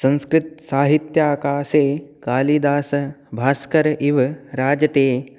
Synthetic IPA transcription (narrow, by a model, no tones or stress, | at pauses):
sɐ̃nskɾɪt̪̚saːɦit̪jaːkaːseːkaːliːd̪aːsɐbʱaːskɐɾɐʔiʋɐɾaːd͡ʒɐt̪eː